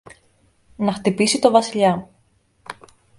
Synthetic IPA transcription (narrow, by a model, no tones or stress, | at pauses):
nɐxt̪ipisit̪o̞vɐsiʎɐ